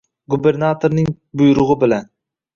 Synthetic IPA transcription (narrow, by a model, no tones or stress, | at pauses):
ɡube̞ɾnat̪ʰoɾnɪŋ | bʊjɾʊʁɨbɪlan